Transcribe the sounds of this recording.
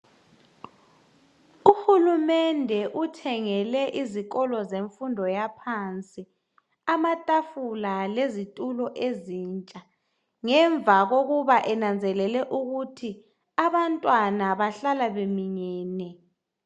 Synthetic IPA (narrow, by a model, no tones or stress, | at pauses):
uhulumɛndʱɛʔutʰɛŋɛlɛʔiziɣɔlɔzeɱfundʱɔjapʰant͡sʼi | amatʼafulalezitʼulɔʔezint͡ʃʼa | ŋɛɱb̪vʱaɣoɣuβaʔɛnand͡zʱɛlɛlɛʔuɣutʰi | aβantʼwanaβaɬalaβemiɲɛːnɛ